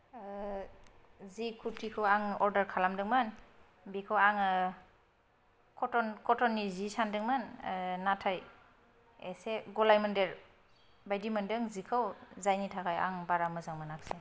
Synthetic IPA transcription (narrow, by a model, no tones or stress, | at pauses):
zikʰutʰikʰɯwaŋɔɾdəɾkʰalamdɯŋmɯn | bikʰɯwaŋ | kʰɔtɔnkʰɔtɔnːizisandɯŋmannatʰaj | eseɡɔlajmɯndeɾ | bajdimɯndɯŋzikʰɯwzajnitʰakaja̰ŋbaɾamɯzaŋmanak̚se